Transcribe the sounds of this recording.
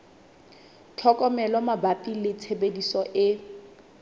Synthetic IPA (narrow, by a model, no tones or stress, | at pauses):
t͡ɬʰɔkʼɔmɛlɔmabapʼilɪt͡sʰebedisɔʔɪ